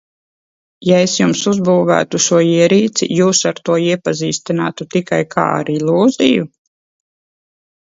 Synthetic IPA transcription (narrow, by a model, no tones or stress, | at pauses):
jaesjumsuzbuːvæ̰ːt̪uʃuɔiɛɾiːt̪sḭjuːsaɾt̪uɔiɛpaziːst̪inaːt̪ut̪ikajkʰa̰ːa̰ɾilˠuːziju